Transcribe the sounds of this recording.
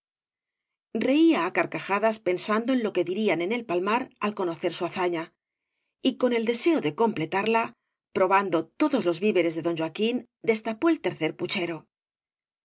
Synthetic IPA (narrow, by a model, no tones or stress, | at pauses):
re̞iaːkaɾkaxaðaspe̞nsand̪o̞e̞nlo̞ke̞ðiɾiane̞ne̞lpalmaɾalko̞no̞θe̞ɾsuaθaɲa | iko̞ne̞ld̪e̞se̞oðe̞ko̞mple̞t̪aɾla | pɾo̞βand̪o̞t̪o̞ðo̞zlo̞zβiβe̞ɾe̞zðe̞ðo̞nʒwakin | d̪e̞st̪apo̞e̞lt̪e̞ɾθe̞ɾput͡ʃe̞ɾo̞